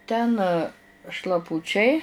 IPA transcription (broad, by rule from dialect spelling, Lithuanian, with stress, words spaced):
ˈtʲɛn ʃlˠɐˈpʊt͡ʃʲɛɪ